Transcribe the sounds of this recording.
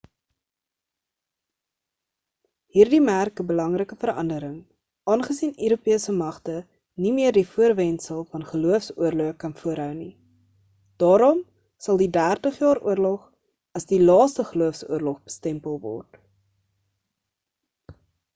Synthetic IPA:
hiːrdimærkəbəlɐŋrəkəfəɾɐ̰ndəɾəŋ | ʔɑːnχəsinøɾupiəsəmɐχtə | nimiərdifuərvɛnsəlˠfɐnχəluəfsuərluəkɐnfuəɾɦœwni | d̥ɑːɾɔm | sɐlˠdidæːrtəχjɑːɾṵərlɔχ | ɐsdilɑːstəχəluəfsṵərlɔχbəstɛmpəlˠvɔ̰rt

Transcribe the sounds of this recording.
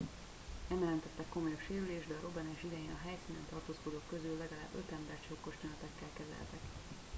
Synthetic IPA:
ɛmjɛlɛnt̪ɛt̪ːɛkːo̞mojopʃeːɾyleːʒd̪ɛɒɾo̞bɛnɛʃid̪ɛjeːnɒɦɛjsiːnɛnt̪ɒrt̪oːskod̪oːkːø̞zylːɛɡɒla̰ːbø̞t̪ɛmbɛrt͡ʃokːoʃt̪onɒt̪ɛkːɛlkɛzɛ̰lt̪ɛk

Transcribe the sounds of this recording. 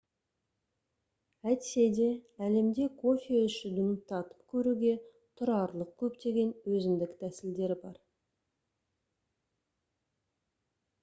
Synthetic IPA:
æt̪se̞d̪e̞æle̞md̪e̞kʰo̞fʲieʏʃɪd̪ʊnət̪ʰɑt̪ə̥pkʲʰɵɾuɡʲe̞ | t̪ʰʊɾɑɾlˠəq̚kʲʰɵpt̪e̞ɡʲe̞nwɵzɪmd̪ɪkt̪ʰæsɪld̪e̞ɾɪbɑ̰ɾ

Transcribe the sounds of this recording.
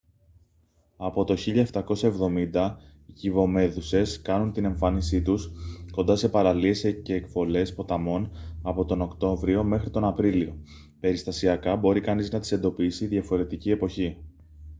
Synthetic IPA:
ɐpo̞t̪o̞çiʎɐeft̪ɐko̞sɐe̞vðo̞mind̪ɐ | icivo̞me̞ðuse̞skɐnunt̪ine̞ɱfɐnisit̪usko̞nd̪ɐse̞pɐɾɐlie̞sceːkfo̞le̞spo̞t̪ɐmo̞nɐpo̞t̪o̞no̞kt̪o̞vɾio̞me̞xɾit̪o̞nɐpɾilio̞ | pe̞ɾist̪ɐsiɐkɐbo̞ɾikɐniznɐt̪i̥se̞nd̪o̞pisiðʝɐfo̞ɾe̞t̪icie̞po̞çi

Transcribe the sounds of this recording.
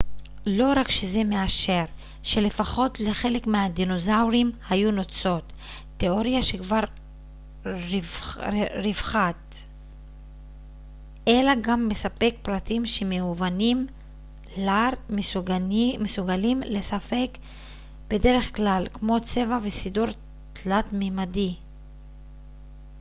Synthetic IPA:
lo̞ʁakʃeze̞meaʃe̞ʁ | ʃe̞le̞faχo̞tle̞χe̞le̞kmeadino̞zawʁimhajuno̞t͡so̞tː | eo̞ʁjaʃe̞kvaʁ | ʁivχat | elaɡamːe̞sape̞kpʁatimʃemeuvanim | laʁ | mesuɡalimlesafe̞k | b̥e̞de̞ʁe̞χklalkmo̞t͡se̞vavesiduʁ | tlatmimadi

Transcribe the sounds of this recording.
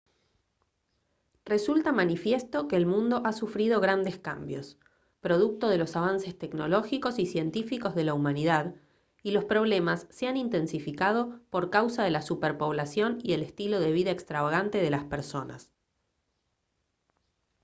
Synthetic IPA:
re̞sult̪amanifje̞st̪o̞keːlmũnd̪o̞ʔasufɾiðo̞ɣ̞ɾand̪eska̰mbjo̞̰s | pɾo̞ð̞uk̚t̪o̞ð̞e̞lo̞saβ̞anse̞st̪ekno̞̰lo̞xiko̞sisje̞nt̪ifiko̞zðe̞laumaniðað | ilo̞spɾo̞β̞le̞masːeanint̪e̞nsifikað̞opo̞ɾkawsaðe̞lasupeɾpo̞βlasjo̞niðe̞lest̪ilo̞ð̞e̞β̞iðaekst̪ɾaβaɣ̞ant̪e̞ð̞e̞laspeɾso̞na̰s

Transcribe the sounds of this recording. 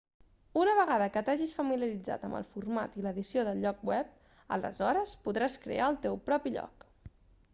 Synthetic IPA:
unəβ̞əɣaðəkət̪aʒisfəmiljəɾid͡za̰t̪əmə̰lˠfurma̰t̪iləðisioðəlʎɔk̚wɛp̚ | ə̰lə̰zɔɾəspuðɾaskɾḛʔaəlˠt̪ewpɾɔpiʎɔ̰k

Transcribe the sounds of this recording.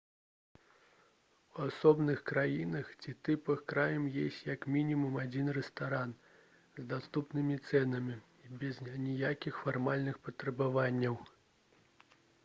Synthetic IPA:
wasɔbnɨxkɾajinɐxt͡sʲit̪ɨpɐxkɾajɐmjesʲt͡sʲjɐkmʲinʲimumad͡zʲinrɛst̪aɾan | zd̪ast̪upnɨmʲit̪sɛnɐmʲi | bʲɛznʲijakʲixfarmalʲnɨxpɐt̪ɾɐbavanʲːɐw

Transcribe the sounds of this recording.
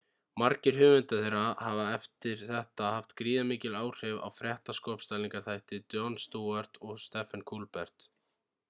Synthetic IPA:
maɾcɪɾ̥ɦʏːvɪnt̪aθejɾahavaɛft̪ɪɾ̥θɛht̪ahaft̪kɾiːðamiːcɪlaːwr̥ɛva̰wfɾjɛht̪askɔːpst̪aliŋkaɾt̪ʰajht̪ɪt̪jɔnst̪uːaɾt̪ɔɣst̪ɛːfankʰulpɛɾ̥t̪

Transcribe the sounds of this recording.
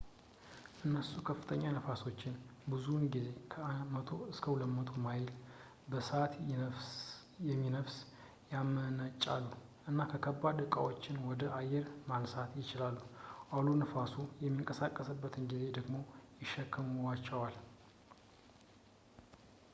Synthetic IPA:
ʔɨnːəsukʰəfːɨt̪ʰəɲːanəfaso̞t͡ʃːɪnbɨzunɡize̞kʰəmət̪ʰo̞ɨskʰəwʊləmːət̪ʰomajl | bəsəat̪ | jɛmːinəfs | jamənət͡ʃʼːa̰lːuʔɨnːakʰəkʰəbːad̪ɨkʼa̰wo̞t͡ʃːɪnwɔd̪əʔajːɛɾmansat̪jɪt͡ʃɪlalːuʔalunəfasujɛmːiŋkʼəsakʼːəsɨbːət̪ʰɨnɡize̞d̪əɡmo̞jɪʃːɛkʰːəmuwat͡ʃːɛwal

